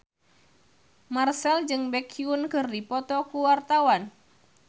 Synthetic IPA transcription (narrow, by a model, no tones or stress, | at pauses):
marsɛld͡ʒɨŋbɛkʰiunkɨrdipɔt̪ɔkuwart̪awan